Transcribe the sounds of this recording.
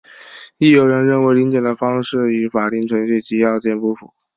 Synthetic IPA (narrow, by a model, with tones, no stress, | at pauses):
i˥˩jo˨˩ʊɻə˧˥nɻə˥˩nwe˧˥ɪli˧˥ŋt͡ɕjɛ˨˩d̪ə˦fɑ˥ŋʂɻ̩˥˩y˧˥fa˨˩li˥˩ŋʈ͡ʂʰwə˧˥nɕi˥˩t͡ɕi˧˥jɑ˥˧ʊt͡ɕjɛ˥˧npu˥˩fṵ˨˩˦